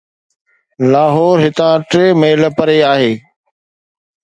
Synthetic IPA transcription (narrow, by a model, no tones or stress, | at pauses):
laːɦɔːɾɦɪt̪ãːʈɾeːmeːɪləpəɾeaːɦeː